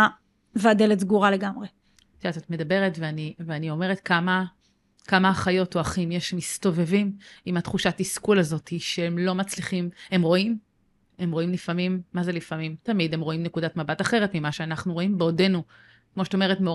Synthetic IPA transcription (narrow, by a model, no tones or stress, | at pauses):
veadeletzɡuʁale̞ɡamʁe | datzot̪med̪ɐbe̞ʁetveaniveanio̞me̞ʁ̞etkama | kamaːχajo̞toaχimjeʃmist̪o̞ve̞vimimatχuʃatiskulazo̞tiʃeemlo̞mat͡sliχime̞mʁo̞im | e̞mʁo̞imlifamimːazelifamimtamidemʁoimnekudatmabataχe̞ʁetmimaʃeanaχnuʁo̞imbeode̞nu | kmo̞ʃe̥tome̞ʁetmeo